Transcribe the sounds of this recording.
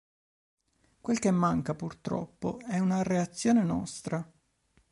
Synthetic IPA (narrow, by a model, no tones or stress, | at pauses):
kwelk̟emːaŋkapurt̪ɾɔ̰pːo̰ɛunareat̪sːjoːnenɔ̰st̪ɾa